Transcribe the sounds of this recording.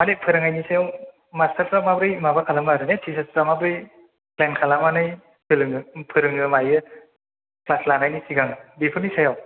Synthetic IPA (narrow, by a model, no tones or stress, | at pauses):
manepʰɯɾɯŋajnisajaw | mastʰaɾtɾamabɾɯjmabakʰalamaɾɯnetʰis̬asɾamabɾɯj | klankʰalamanɯj | pʰɯlɯŋpʰɯɾɯŋɯmajɯ | plaslanajnisiɡaŋɯbipʰɯɾnisajaw